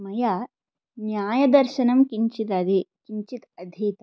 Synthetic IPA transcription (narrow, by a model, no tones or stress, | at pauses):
mɐja | njaːjɐd̪ɐɾʃɐnɐmkiɲt͡ʃit̪ɐd̪ikiɲt͡ʃit̪ɐd̪ʱiːt̪